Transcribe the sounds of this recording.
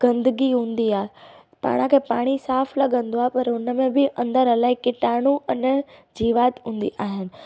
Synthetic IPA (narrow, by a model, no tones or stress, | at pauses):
ɡ̥ɐ̃nd̪əɡiɦũːnd̪iaːe | pa̰ːɽ̃ãkʰepaːɽ̃isaːfʰlɐɡə̃nd̪oaːepɐɾʊnəmẽbɪʔɐ̃nd̪əɾəlaːikɪʈaːɽ̃uʔənd͡ʑiːʋaːt̪ɦũːnd̪ḭʔaːɦɪnɪ̆